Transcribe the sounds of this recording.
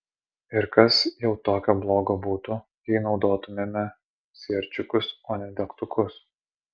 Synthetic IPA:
ɪɾkɐsjɛʊt̪oːkʲoːblˠoːɡoːbuːt̪ʊjʲɛɪnɒʊd̪oːt̪ʊmʲemʲɛ | sʲiɛɾʲt͡ʃʲʊkʊsoːnʲɛd̪ʲɛkt̪ʊkʊs

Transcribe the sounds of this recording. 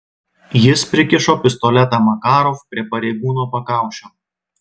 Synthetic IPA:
jɪspʲɾʲɪkʲɪʃoːpʲɪst̪ɔlʲɛt̪ɑːmɐkɑːɾofpʲɾʲiɛpɐɾʲɛɪɡuːnoːpɐkɑˑʊʃʲoː

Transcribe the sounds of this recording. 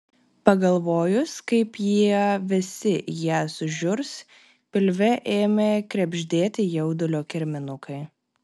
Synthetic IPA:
pɐɡɐlˠʋoːjʊskɐɪpjiɛʋʲɪsʲɪjæːsʊʒʲʊɾs | pʲɪlʲʋʲɛʔeːmʲeːkɾʲɛbʲʒʲd̪ʲeːt̪ʲɪjɛʊd̪ʊlʲoːkʲɪɾʲmʲɪnʊkʰɐɪ

